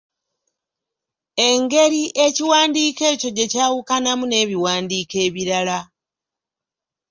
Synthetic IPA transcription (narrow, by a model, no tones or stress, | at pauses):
e̞ŋɡe̞ɾiʔe̞ciwaːndiːke̞ːco̞ɟe̞caːwukanamune̞ːβiwaːndiːke̞ːβiɾala